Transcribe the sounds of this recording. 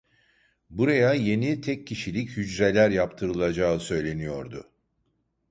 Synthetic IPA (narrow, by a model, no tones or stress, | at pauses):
buɾajaje̞nit̪ʰɛcʰːiʃilʲichyd͡ʒɾelʲæɾjapt̪ʰɯɾɯlˠad͡ʒaːɯsø̞jlʲe̞nijo̞ɾd̪ʊ̰